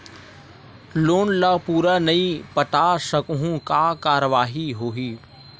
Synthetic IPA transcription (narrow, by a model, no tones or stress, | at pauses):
loːnlaːpuːɾanɐĩpɐʈ̪asɐkuɦũkakaːɾəʋaːɦiɦoːɦiː